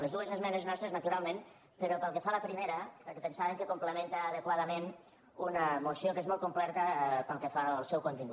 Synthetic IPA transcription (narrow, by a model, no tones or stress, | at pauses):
ləzðuəzəzmɛneznɔst̪ɾeznət̪uɾalˠmẽn | pəɾopəlˠkəfaləpɾimeɾəpəlˠkəpənsaβəŋkəkumpləmẽnt̪əːðəkwaðəmen | unəmusjokezmɔlˠt̪̚kumplɛɾt̪əpəlˠkəfalˠsɛwkunt̪iŋɡu